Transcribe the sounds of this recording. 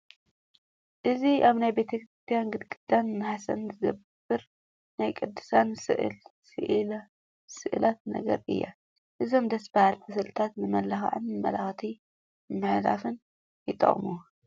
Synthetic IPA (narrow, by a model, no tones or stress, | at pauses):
ʔɨziaβnajbe̞t̪ʰɐkɾist̪ʰijanɡɨd̪kʼɨd̪̥anmːɨħasɐnzɨɡɐb | ɨɾ | najkʼɨd̪ːɨ̥sansɨ̰ʔɨ̰lsɨʔ | sɨʔɨlat̪̚nɐ̰ɡɐ̰ɾɨ̰jːa̰ | ʔɨzo̞md̪ɐsbɐhalfʰɐs̬ɐlt̪ʰat̪nɨmɐlaxʕɨ̰nɨmːɐlaxt̪ʰi | mːɨħla̰fɨn | jɪt̪ʼɐ̰χʼmu